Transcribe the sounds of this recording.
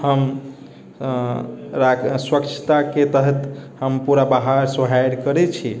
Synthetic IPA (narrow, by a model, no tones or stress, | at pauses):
həm | ɾaswəkt͡ʃʰt̪aket̪əɦɛt̪həmpuɾabaɦaɾsəɦajɾkəɾɛt͡ʃʰi